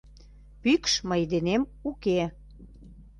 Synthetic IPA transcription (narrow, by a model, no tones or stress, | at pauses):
pykʃməjd̪enemuke